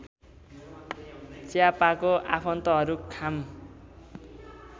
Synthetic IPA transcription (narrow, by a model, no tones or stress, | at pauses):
t͡sjapakoʔapʰʌnt̪ʌɦʌɾukʰam